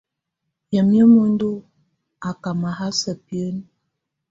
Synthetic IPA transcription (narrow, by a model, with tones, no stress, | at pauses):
jə˨m˦ə˦mo˦n˦du˦ | a˨ka˨ma˨ɦa˦sə˨pi˦ə˦n˦